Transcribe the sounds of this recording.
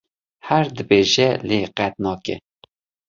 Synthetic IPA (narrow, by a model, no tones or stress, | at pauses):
hæɾd̪ɨbeːʒɛleːqɛt̪̚nɑːkɛ̰